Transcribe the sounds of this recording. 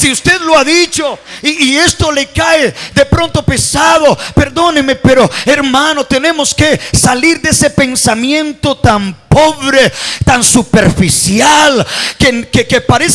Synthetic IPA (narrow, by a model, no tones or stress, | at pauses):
siust̪eðloaðit͡ʃoiːe̞st̪o̞lekaeðepɾo̞nt̪o̞pe̞saðope̞ɾðo̞nemepeɾoeɾmãnot̪e̞ne̞moske̞saliɾd̪ese̞pe̞nsamjẽ̞nt̪ot̪ampo̞βɾet̪ansupeɾfisjalkekekepaɾes